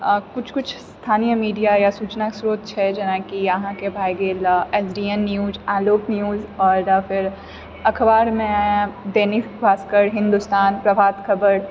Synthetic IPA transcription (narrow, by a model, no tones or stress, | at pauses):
kʊt͡ʃʰkʊt͡ʃʰst̪ʰaːnijəmiːɖijajasuːt͡ʃnaksɾoːt̪̚t͡ʃʰɛd͡ʒɐnãkijɐɦãkebʱaːjɡeːlɛzɾijənːjuːzaːloːknijuːzɔːɾfɪɾ | ɐkʰbaːɾmẽd̪eːni | bʱaːskəɽɦɪ̃nd̪ʊst̪aːnpɾɐbʱaːt̪kʰɐbəɽ